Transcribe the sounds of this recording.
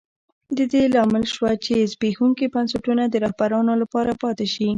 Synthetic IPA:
d̪əd̪elɑmɪlʃwat͡ʃezbexuŋkibansaʈunad̪əɾɑhbaɾɑnolapɑɾapɑt̪ɪʃi

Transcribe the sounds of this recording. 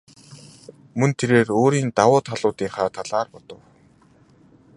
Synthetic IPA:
mɵnt̪ʰeɾeːroːɾiːnt̪awʊːt̪χaɮʊːt̪iːŋχaːt̪ʰaɮaːrpɔt̪ɞ̆w

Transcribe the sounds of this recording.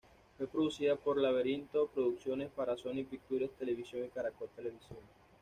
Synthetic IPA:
fwe̞pɾoðusiðapo̞ɾlaβeɾint̪opɾoðuksjo̞ne̞spaɾasonipik̚t̪uɾjast̪ele̞βisjoŋekaɾakot̪e̞le̞βisjoŋ

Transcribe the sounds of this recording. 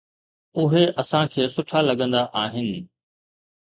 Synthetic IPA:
ʊɦeʔɐsãkʰeːsʊʈʰalɐɠə̃nd̪aʔaːɦɪnɪ̆

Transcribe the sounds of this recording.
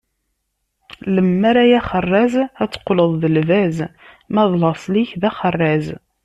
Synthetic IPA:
ləmːæɾæjæχərˤːæzæt͡sːə̥qːləðˤðəlvæz | mæðlɑsˤliçðæχərˤːæz

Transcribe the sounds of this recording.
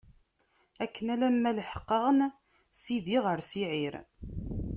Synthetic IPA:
ækːənælæmːælħə̥qːɑʁən | siðiʁəɾsiʕiɾ

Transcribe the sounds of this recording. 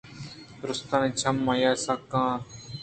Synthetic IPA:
ɾʊst̪aːnĩt͡ʃʰɐmːɐjaːsakːãː

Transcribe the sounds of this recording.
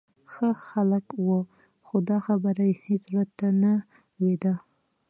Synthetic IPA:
xəxaləkwə | xod̪ɑxabəɾajhet͡sɾad̪̚t̪ana | wed̪a

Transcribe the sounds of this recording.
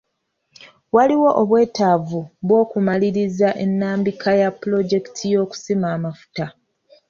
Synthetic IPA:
waliwo̞ʔoβwe̞ːtavuβwo̞ːkumaliɾizaʔe̞nːaːmbikʰajaplo̞ɟe̞kitʰijo̞ːku̥simaːmafu̥ta

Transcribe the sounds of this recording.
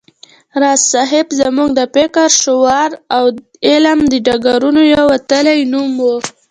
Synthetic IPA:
ɾɑssɑɦɪbzamuŋɡd̪əpekaɾʃʊwɑɾaw | elamd̪əɖaɡaɾunojawat̪əlajnumwu

